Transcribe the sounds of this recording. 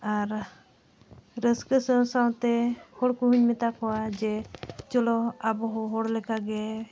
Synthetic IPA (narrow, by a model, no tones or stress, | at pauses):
aɾ | ɾəskəsəsaw̃t̪ɛhɔɽkuɦuɲmɛt̪akɔwad͡ʒɛt͡ʃɔlɔabɔɦɔɦɔɽlɛkaɡɛ